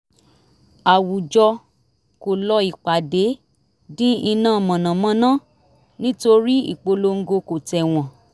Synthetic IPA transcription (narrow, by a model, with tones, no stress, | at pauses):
a˨wu˨d͡ʒɔ˧ | ko˨lɔ˧i˨k͡pa˨de˨˦ | dĩ˦i˧nã˦˨mɔ̃˨nã˨mã˧nãː˦˨ | nĩ˦to˧ɾi˦ḭ˦˨k͡po˧lo˧ŋ̩˦ɡo˧ko˨tɛ˨w̃ɔ̃˨